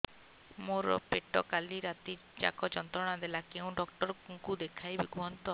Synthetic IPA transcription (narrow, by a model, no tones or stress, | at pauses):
moɾɔ̰peʈɔkaliɾat̪i | d͡ʒa̰kɔt͡ʃɔnt̪ɾɔɽ̃ad̪elakeũɖɔk̚ʈɔɾɔkuŋkud̪ekʰajbikuɦɔnt̪ɔ